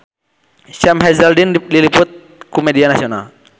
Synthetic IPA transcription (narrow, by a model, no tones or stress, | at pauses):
ʃɛmɦɛzɛldindilipʊt̪̚ | kumedianasiona̰l